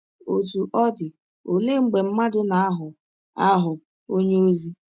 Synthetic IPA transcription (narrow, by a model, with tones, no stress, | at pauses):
o˨tu˨ʔɔ˦dɪ˨ | o˨le˦ŋ͡m̩˦ɡ͡be˨m̩˦ma˦dʊ˦na˨a˦ɦʊ˨ | a˦ɦʊ˨ | o˦ɲe˦o˦zi˦